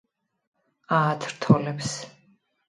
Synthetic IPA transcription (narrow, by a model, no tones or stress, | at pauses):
at̪ʰɾt̪ʰɔlɛps